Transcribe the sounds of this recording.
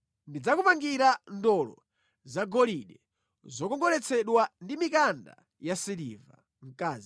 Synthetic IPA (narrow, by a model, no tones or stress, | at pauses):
ndid͡zakupaŋɡiɾandɔlɔ̰ | zaɡɔliɗɛ | zɔkɔŋɡɔlɛt͡sʰɛɗwandimikanda̰ | jasilḭva̰ | m̩kaːzi